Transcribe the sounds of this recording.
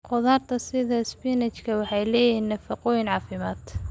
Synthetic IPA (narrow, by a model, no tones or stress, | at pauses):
qʊðaːrt̪ʰɐsɪðɐɪspinɛt͡ʃkʰɐwɑħɑjlɛːjiːnːɐfɐqɔjɪnʕɑːfɪmaːd̪